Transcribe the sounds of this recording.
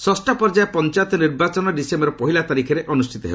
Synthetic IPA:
sɔsʈapɔɾd͡ʒaepɔnt͡ʃat̪ɔniɾbat͡ʃɔnɔɖisembɔɾɔpɔɦilat̪aɾikʰeɾeʔɔnusʈʰit̪ɔɦḛb

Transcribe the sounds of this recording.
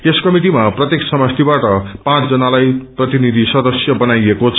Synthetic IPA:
eskʌmiʈimaprʌt̪jeksʌmʌst̪ʰibaʈʌpãt͡sd͡zʌnalajprʌt̪inid̪ʱisʌd̪ʌsjʌbʌnajekot͡sʰ

